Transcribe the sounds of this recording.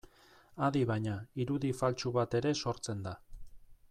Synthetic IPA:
aðiβaɲaiɾuðifalt͡ʃuβat̪e̞ɾe̞so̞ɾt͡se̞nd̪a

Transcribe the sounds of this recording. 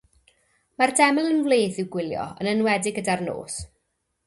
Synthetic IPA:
mardɛmɛlˠənvleːθɪwɡwɪlˠjɔ̰ə̰nənwɛdɪɡədarno̰ːs

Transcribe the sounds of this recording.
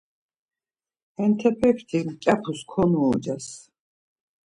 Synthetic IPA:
ɛnt̪ʰɛpʰɛkʰt̪ʰimkʼapʰuskʰɔnuːd͡ʒas

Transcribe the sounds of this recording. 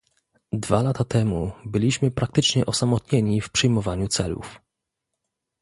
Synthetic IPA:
d̪valat̪at̪ɛmubɘlʲiɕmɘpɾak̚t̪ɘt͡ʂɲɛʔɔsamɔt̪ɲeɲifpʂɘjmɔvaɲut̪sɛlṵf

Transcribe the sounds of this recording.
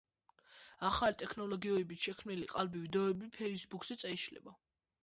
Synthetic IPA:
aχalit̪ʼɛkʰnɔlɔɡiɔɛbit̪ʃɛkʰmniliqʼalbivid̪ɔɛbipʰɛisbukʰsɛt̪sʼɛiʃlɛ̰ba

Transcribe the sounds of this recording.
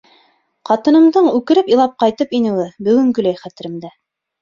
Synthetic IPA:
qɑt̪ɤ̆nɤ̆md̪ɤɴʉkɘ̆ɾɘpilˠɑp̚qɑjt̪ɤpinɘ̆wɘbɵ̆ɡɘ̆ŋɡɵ̆læjχæt̪ɘ̆ɾɘ̆md̪æ

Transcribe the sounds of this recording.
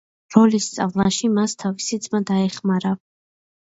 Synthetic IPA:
ɾɔlist̪sʼa̰vlˠaʃimast̪ʰavisid̪zmad̪aɛχmaɾa

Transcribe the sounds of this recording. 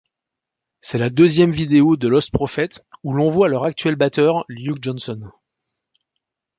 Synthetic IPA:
sɛlad̪øzjɛmvid̪eod̪əlɔst̪pχɔfɛt̪ulɔ̃vwalœʁak̚t̪ɥɛlbat̪œʁljuk̚d͡ʒɔnsɔn

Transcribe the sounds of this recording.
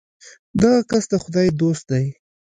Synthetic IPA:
d̪aɣakast̪axʊd̪ɑjd̪ost̪̚d̪aj

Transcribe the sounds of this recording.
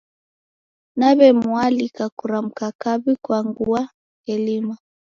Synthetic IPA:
naβɛmualikakuɾam̩kakaβikwaŋɡua | kɛlima

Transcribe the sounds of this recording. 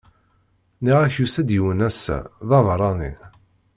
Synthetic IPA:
niʁæçusæd̪jiwənæsæ̰ðˤɑvɾˤɑnḭ

